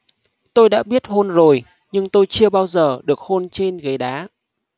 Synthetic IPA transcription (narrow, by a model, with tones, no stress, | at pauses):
t̪o˧jɗa̰ː˧˥ɓi˦˥ət̚ho˧nzo˨˩j | ɲɨ˧ŋt̪o˧jt͡ɕɨ˧əɓaː˧wzəː˨˩ɗɨ˨˩ək̚ho˧nt͡ɕe˧nɣə˨˦jɗaː˨˦